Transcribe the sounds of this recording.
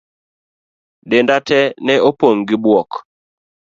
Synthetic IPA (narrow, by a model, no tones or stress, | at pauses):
dendatɛnɛopoŋɡɪbwɔk